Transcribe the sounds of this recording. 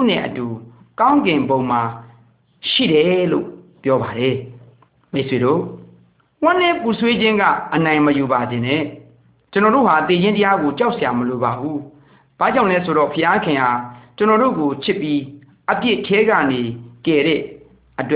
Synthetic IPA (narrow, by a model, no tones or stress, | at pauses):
t̪ṵn̥ɪ̰̃ʔətukãʊ̃ŋɡɪ̃mbõʊ̃ma | ʃḭɾɛlo̰pjɔbaɾɛ | meʔsweɾo̰ | wãn̥ɪ̃pusʰwed͡ʑɪ̃ŋɡä̰ʔənãɪ̃məjubad͡ʑɪ̃nɛ̰̃ | t͡ɕənɔɾo̰hat̪ed͡ʑɪ̃ntəjaɡot͡ɕaʊʔsʰjaməlobabu | b̥a̰d͡ʑãlɛsʰoɾɔ̰pʰəjakʰɪ̃ʔat͡ɕənɔɾo̰ɡopʰɪpːji | ʔəpjɪʔtʰɛɡä̰nekɛɾɛ̰ | ʔət̬wɛ